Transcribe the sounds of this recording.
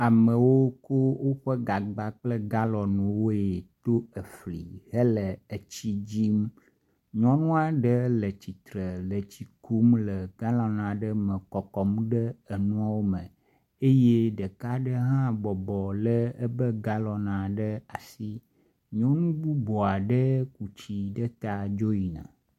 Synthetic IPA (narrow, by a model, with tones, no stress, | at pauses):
a˨mə̃˨wo˦ko˦wo˦ɸə˦ɡa˨ɡ͡ba˦k͡plə˦ɡa˦lɔ˨nũ˨wo˦e˨t̪o˦ə˨fli˨hə˦lə˨ə˨t͡ɕi˦d͡ʑi˦m | ɲɔ̃˦nũ˦a˨ɖə˦lə˨t͡ɕi˨t̪ɾə˨lə˨t͡ɕi˨ku˦mlə˨ɡ̥a˦lɔ˨nã˨ɖə˦mə̃˨kɔ˨kɔ˨m˦ɖə˦ə˨nũ˦a˦wo˦mə̰̃˨ | e˦je˦ɖə˨ka˦ɖə˦ɦã˦bɔ˨bɔ˨lə˦ə˦bə˦ɡa˦lɔ˨nã˨ɖə˦a˨si˦ | ɲɔ̃˦nũ˦bu˦bɔ˨a˨ɖə˦ku˨t͡ɕi˦ɖə˦t̪a˦d͡ʒo˦ji˨nã̰˨